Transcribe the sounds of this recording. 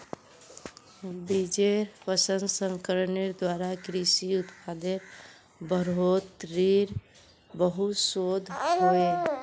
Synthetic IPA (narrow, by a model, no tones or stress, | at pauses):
bid͡ʒeɾpəsənsəŋkəɾəneɾd̪waɾakɾisiut̪pʰad̪eɾ | bəɾɦot̪ɾiɾ | bəɦut̪sod̪ʱɦoe